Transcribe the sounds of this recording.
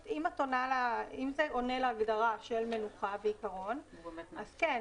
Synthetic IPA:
imatonalaimzeʔo̞neleaɡdaʁaʃe̞lme̞nuχaveikaʁo̞naz̥ke

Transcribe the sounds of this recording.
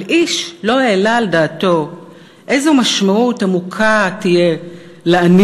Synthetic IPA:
ʔiʃlo̞eːlaldaːto̞ | ʔejzomaʃmautamukʰatije | lean

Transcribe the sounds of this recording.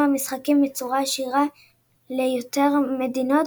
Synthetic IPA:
amisχakimbet͡suʁaːʃiʁa | lejot̪eʁme̞d̪ino̞t

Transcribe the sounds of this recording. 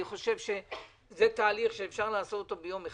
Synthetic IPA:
iχo̞ʃe̞vʃe̞ | zet̪aːliχʃeːfʃaʁlaasotot̪obejo̞meχ

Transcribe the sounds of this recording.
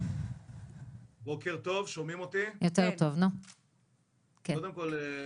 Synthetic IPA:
bokeʁt̪o̞vʃomimot̪ijot̪eʁt̪ovno | ked̪emkol

